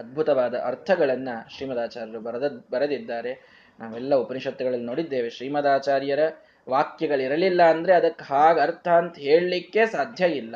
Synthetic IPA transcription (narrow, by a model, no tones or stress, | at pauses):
ɐd̪̚bʱut̪ɐʋaːd̪ɐʔɐɾt̪ʰɐɡɐɭɐnːɐʃɾiːmɐd̪aːt͡ʃaːɾjɐɾubɐbɐɾɐd̪id̪ːaːɾe̞ | nʔaːʋɛlːɐupɐniʂɐt̪ːɐɡɐɭɐlːino̞ːɽid̪ːe̞ːʋeʃɾiːmɐd̪aːt͡ʃaːɾjɐɾɐ | ʋaːkjɐɡɐɭiɾɐlilːɐːnd̪ɐɾe̞ɐd̪ɐkːɦaːɡɐɾt̪ʰɐːnt̪ɐɦe̞ːɭlikːe̞saːd̪ʱjɐilːɐ